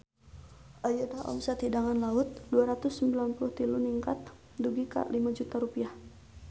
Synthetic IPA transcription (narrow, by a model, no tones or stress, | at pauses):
ʔajudaʔɔ̰msat̪idaŋanlaʊt̪̚duaɾat̪ʊsːəmbilanpulʊht̪iluniŋkat̪̚ | duɡika̰ʔlimad͡ʒut̪aɾupiah